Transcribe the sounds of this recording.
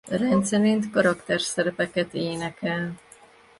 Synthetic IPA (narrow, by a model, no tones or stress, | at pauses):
rɛnt̪sɛɾint̪kɒɾɒkt̪ɛrsɛɾɛpɛkɛt̪eːnɛkɛl